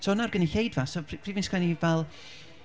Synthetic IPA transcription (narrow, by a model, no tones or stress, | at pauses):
sonarɡəniɬejdvasopʰriːvinskʰanivɛlˠ